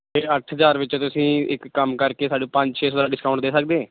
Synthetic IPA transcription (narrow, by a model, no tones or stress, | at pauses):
eːəʈʰɦəzaːɾʋɪt͡ʃt̪ʊsĩːɪkːəmkəɾkeːsaːɖũːpə̃ɲd͡ʒt͡ʃʰeːsoːɾaːɖɪskaːʊɳʈd̪eːsək̚d̪ẽː